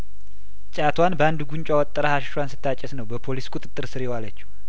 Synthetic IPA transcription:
t͡ʃʼat̪ʰwanbəand̪ɡuɲt͡ʃʼawɔt̪ʼːəɾəhaʃʃwansɨ̥t̪ʰːat͡ʃʼːɛsnəwbəpʰo̞liskʼut̪ʼɨt̪ʼːɨɾsɨɾewalət͡ʃːu̥

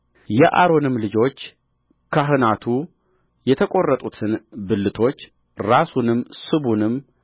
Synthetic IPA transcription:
jɛʔa̰ɾo̞nɨmːlɨd͡ʒo̞t͡ʃː | kʰaɦɨnat̪ʰu | jɛt̪ʰəkʼo̞rːət̪ʼut̪ʰɨnbɨlːɨt̪ʰo̞t͡ʃː | ɾasunɨmːsɨβunɨmː

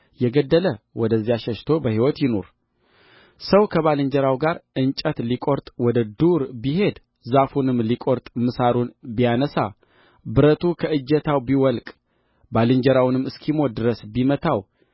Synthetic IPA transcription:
jɛɡəd̪ːələwɔd̪əzːijaʃɛʃt̪ʰo̞bəhiwɔt̪jɪno̞̰ɾ | səwkʰəβalɨnd͡ʒəɾawɡaɾʔɨnt͡ʃʼət̪likʼoɾt̪ʼwɔd̪əd̪uɾbiɦe̞d̪ | zafunɨmːlikʼoɾt̪ʼmɨsaɾunbijanəsa̰ | bɨɾət̪ʰukʰəʔɨd͡ʒɛt̪ʰawbiwɔlkʼ | balɨnd͡ʒəɾawnɨmːɨskʰimo̞d̪ɨɾəsbimət̪ʰaw

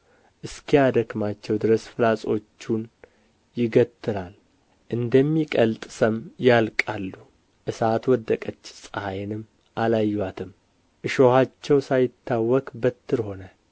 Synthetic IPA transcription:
ʔɨskʰijad̪əkmat͡ʃːɛwd̪ɨɾəsfɨlasʼo̞t͡ʃːun | jɪɡət̪ʰːɨɾal | ʔɨnd̪əmːikʼəlt̪ʼɨsəmjalkʼalːu | ʔɨsat̪wɔd̪ːəkʼət͡ʃːsʼahajnɨm | ʔalajːwat̪ʰɨm | ʔɨʃo̞hat͡ʃːɛwsajɪt̪ʰːawːɔkʼbət̪ʰːɨɾho̞nə

